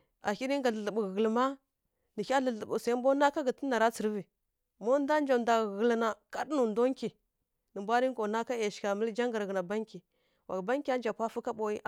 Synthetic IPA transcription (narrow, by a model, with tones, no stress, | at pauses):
a˨ki˦ɾi˦ŋ˦ɡa˨ɮə˨ɬə˨bu˨ɣə˨lma˦ | nə˨kʲa˦ɮə˨ɬə˨bu˨sa˨i˦mbo˦na˦ka˦ɡə˨tə˦na˨ɾa˦t͡sə˨ɾvi˨ | mo˦n˦da˦n˦d͡ʒa˨mda˨ɣə˨lna˨ka˦dnu˨ndo˦ŋki˨ | nə˨mbʷa˦ɾi˦ŋ˦ko˨na˦ka˦je˨ʃka˨mə˦ld͡ʒa˦ŋɡa˨ɾɣə˨na˨ba˦ŋkʲi˨ | wʔa̰˨kba˦ŋ˦kʲi˦a˦n˦d͡ʒa˨pʷa˦fu˦ka˦bo˨i˦ʔ